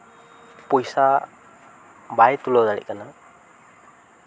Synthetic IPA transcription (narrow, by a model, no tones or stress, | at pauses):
pujsa | bajt̪ulɔwd̪alḭʔ̚kana